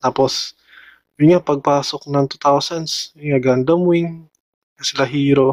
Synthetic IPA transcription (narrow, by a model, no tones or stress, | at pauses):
t̪aːpos | jʊnŋapɐɡ̚paːsok̚nɐŋt̪ut̪awsɐnsjonŋaɡand̪ɐmʊɪŋ | nɐsɪlɐɦiːɾo̞